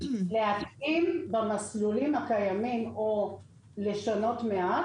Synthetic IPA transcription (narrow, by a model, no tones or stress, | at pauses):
leɦat̪ʔimbamaslulimhakajamimo | le̞ʃano̞tmea